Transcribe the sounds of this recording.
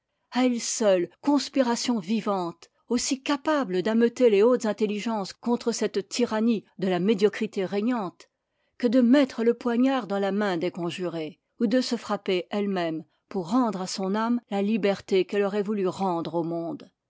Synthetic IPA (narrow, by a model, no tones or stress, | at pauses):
aɛlsœlkɔ̃spiʁasjɔ̃vivɑ̃t̪ | osikapabləd̪amət̪eleot̪zɛ̃t̪eliʒɑ̃skɔ̃t̪χəsɛt̪t̪ːiʁanid̪əlamed̪jɔkχit̪eʁɛɲɑ̃t̪ | kəd̪əmɛt̪χələpwaɲaʁd̪ɑ̃lamɛ̃d̪ekɔ̃ʒyʁe | ud̪əsəfχapeɛlmɛm | puʁːɑ̃d̪ʁasɔ̃namlalibɛʁt̪ekɛlɔʁɛvulyʁɑ̃d̪ʁomɔ̃d̪